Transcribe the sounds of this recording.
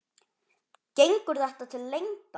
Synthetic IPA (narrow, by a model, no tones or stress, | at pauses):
cejŋkʏɾðɛht̪at̪ʰɪlːejŋka